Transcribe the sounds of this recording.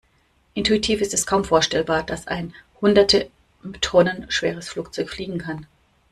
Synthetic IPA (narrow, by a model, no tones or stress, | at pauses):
ʔɪntuitʰiːfɪstɛskʰaʊmfoːɐʃtɛlbaːɐd̥asʔa̰ɪnhʊndɐtʰə | tʰʁɔnənʃv̥eːʁ̞əsfluːk̚t͡sɔʏçfliːɡŋ̩kʰan